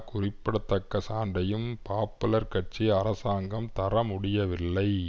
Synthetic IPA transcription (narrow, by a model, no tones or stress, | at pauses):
kʊrɪpːɪɽɐt̪ːɐkːɐsaːɳɖɐjɯmpaːpːɯlɐɾkɐʈt͡ʃiɐɾɐsaːŋɡɐmt̪ɐɾɐmʊɽɪjɐʋɪlːɐɪ